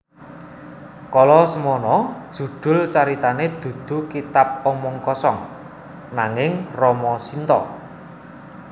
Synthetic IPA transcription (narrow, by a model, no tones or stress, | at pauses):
kɔlɔsəmɔnɔd̥ʒ̥ṳd̪̥ʊ̤lt͡ʃaɾit̪aned̪̥ṳd̪̥ṳkit̪ap̚ɔmɔŋkɔsɔŋ | naŋɪŋrɔmɔsint̪ɔ̰